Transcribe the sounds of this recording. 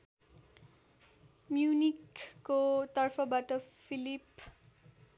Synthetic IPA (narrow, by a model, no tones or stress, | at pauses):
mjunikːot̪ʌrpʰʌbaʈʌpʰilip